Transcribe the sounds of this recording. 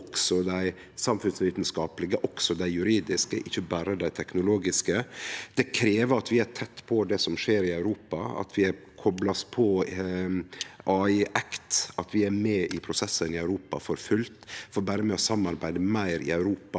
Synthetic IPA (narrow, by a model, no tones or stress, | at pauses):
ɔksɔd̪æɪ | sɑmfʉnsʋiːt̪nskɑːpəlɪɡəʔɔksɔd̪æɪjʉɾiːd̪ɪskəʔɪçːəbæːɾəd̪æɪt̪ʰɛknʊloːɡɪskəd̪̥ɛkʰɾeːʋəɾɑt̪ʋɪæɾt̪ʰɛt̪ːpʰɔd̪ɛsɔmʂeːɾɪɑʉɾuːpɑɑ̰t̪ʰʋɪæɾkʰɔblɑspʰɔ | ɑːɪʔɛkt̪ɑt̪ʋɪæɾmɛːʔɪpʰɾʊsɛsːənɪœʉɾuːpɑ̰fɔɾfʉlt̪fɔɾbæːɾəmɛːɔsɑmːɑɾbæɪd̪əmæɪɾɪ̰œʉɾuːpɑ